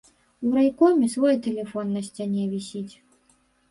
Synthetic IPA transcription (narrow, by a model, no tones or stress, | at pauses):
uɾajkɔmʲisvɔjɛt̪ɛlʲɛfɔnːɐsʲt͡sʲanʲɛvʲisʲit͡sʲ